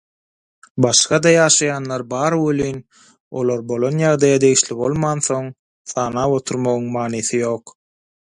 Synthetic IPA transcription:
bɑʃχɑd̪ɑjɑːʃɑjɑːnlˠɑɾbɑːɾwølyjn | o̞̰lˠoɾbo̞lˠo̞njɑʁd̪ɑjɑd̪e̞jiʃlibo̞lˠmɑːnθo̞ŋ | θɑːnɑːwo̞t̪ʰuɾmoɣuŋmɑːniːθijo̞ːq

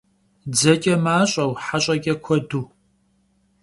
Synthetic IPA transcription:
d͡zɐkʲʼɐmaːɕʼɐwħaɕʼɐɡʲʼɐkʷʰɔduː

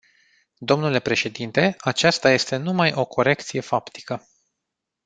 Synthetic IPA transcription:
d̪o̞mnule̞pɾe̞ʃe̞d̪int̪e̞at͡ʃast̪aje̞st̪e̞numajo̞kʰo̞ɾe̞kt̪sije̞fapt̪i̥kə

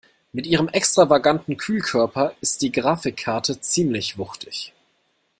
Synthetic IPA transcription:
mɪtʔiːʁ̞əmʔɛkstʁ̥avaɡantn̩kʰyːlkʰœɐpɐɪst̚d̥iːɡʁaːfɪkʰːaɐtʰət͡siːmlɪçv̥ʊχtɪç

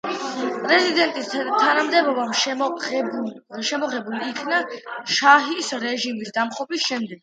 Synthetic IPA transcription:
pʼɾɛzid̪ɛnt̪ʼist̪ʰanamd̪ɛbɔba | ʃɛmɔʁɛbuliːkʰnaʃaɦisɾɛʒimisd̪amχɔbisʃɛmd̪ɛɡ̥̚

